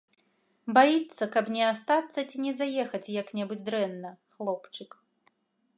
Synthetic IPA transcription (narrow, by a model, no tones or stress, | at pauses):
bajit̪sːɐkɐpnʲɛast̪at̪sːɐt͡sʲinʲɛzajɛxɐt͡sʲjɐknʲɛbud͡zʲd̪ɾɛnːɐxlˠɔpt͡ʂɨk